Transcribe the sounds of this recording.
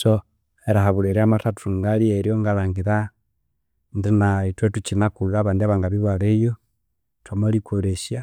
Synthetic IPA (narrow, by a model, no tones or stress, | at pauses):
so | eɾahaβuleɾiamatatu̥uŋɡalieɾjoŋɡalaŋɡiɾa | ndinaitwetut͡ʃinakullaβaːndiaβaŋɡaβiβwaɾejo | twamolikʰoɾeʃja